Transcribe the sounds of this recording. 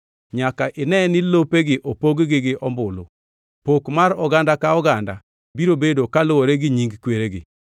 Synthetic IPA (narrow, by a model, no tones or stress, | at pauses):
ɲakaʔɪnɛnɪlopeɡɪʔopoɡɡɪɡɪʔɔmbʊlo̰ | pokmaɾɔɡandakaɔɡanda̰ | biɾobedokalʊoɾeɡɪɲiŋɡkweɾeɡɪ̰